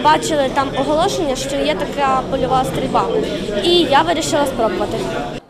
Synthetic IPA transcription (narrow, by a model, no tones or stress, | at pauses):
bɑt͡ʃɪlˠɪt̪ɑmɔɦɔlˠɔʃenʲːɐʃt͡ʃɔjɛt̪ɐkapɔlʲʊʋaɐst̪ɾʲilʲbɑ | ijaʋɪɾʲiʃɪlˠɐspɾɔbʊʋɐt̪ɪ